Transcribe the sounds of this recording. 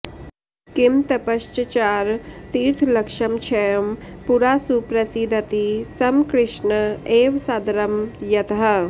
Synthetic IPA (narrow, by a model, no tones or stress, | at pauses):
kɪmt̪ɐpɐʃt͡ʃət͡ʃaːɾt̪iːɾt̪ʰlɐkʃɐmt͡ʃʰɛjɐmpuɾaːsupɾɐsid̪ʱɐt̪isɐmkɾɪʃnəeːʋsaːd̪ɐɾɐmjɐt̪əɦɐ